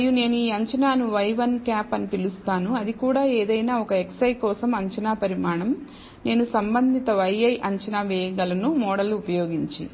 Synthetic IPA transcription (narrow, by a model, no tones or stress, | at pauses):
ɐjune̞ːnuiːɐɲt͡ʃɐnaːnuʋɐjʋɐnkaːpɐnipilust̪aːnuɐd̪ikuːɽaːeːd̪ɐjnaːɔkɐeksɐjkɔːsɐmɐɲt͡ʃɐnaːpɐɾimaːɳɐm | ne̞ːnusɐmbɐnd̪ʱit̪ɐʋɐjɐjʔɐɲt͡ʃɐnaːʋɛːjɐɡɐlɐnumɔːɽɐlːuːpɐjoːɡiɲt͡ʃḭ